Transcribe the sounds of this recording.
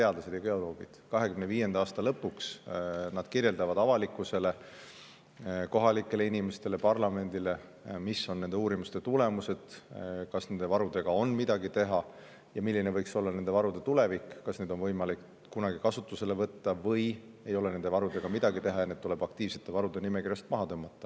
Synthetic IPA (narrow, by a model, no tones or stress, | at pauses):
t̪e̞ɑd̪̥lɑse̞d̪̥jɑɡ̥e̞o̞lo̞ːɡ̥id̪̥kɑɦe̞kymne̞viːje̞nd̪̥ɑɑːst̪ɑlɤpːˑuksnɑd̪̥kirje̞ld̪ɑvɑd̪ɑvɑlikːˑuse̞le | ko̞ɦɑlikːˑe̞le̞inime̞st̪e̞lepɑrlɑme̞nd̪̥ile̞misːo̞nnːend̪euːɾimust̪e̞t̪ule̞muse̞d̪̥kɑsne̞nd̪e̞vɑɾud̪̥e̞ɡ̥ɑonmid̪ɑɡit̪e̞ɦɑ | jɑmilːinevɤjkso̞lːɑne̞ne̞vɑɾud̪e̞t̪ule̞vikːkɑsne̞d̪o̞nvɤjmɑlik | kunɑɡikɑsut̪ːˑuse̞le̞vɤt̪ːɑvɤj | e̞jo̞lene̞nd̪̥e̞vɑɾud̪e̞ɡ̥ɑmid̪̥ɑɡit̪e̞ɦɑjɑne̞d̪t̪ule̞b̥ɑk̚t̪iːvse̞̥t̪ːˑe̞vɑɾud̪̥e̞nimekirjɑst̪̚mɑɦɑt̪ɤmːɑt̪ˑːɑ